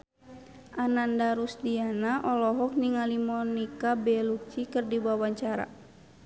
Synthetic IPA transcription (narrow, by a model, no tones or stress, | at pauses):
ʔanandaɾusdianaʔɔlɔɦɔk̚niŋalimɔnikabɛluk̚t͡ʃikərdibawaɲt͡ʃaɾa̰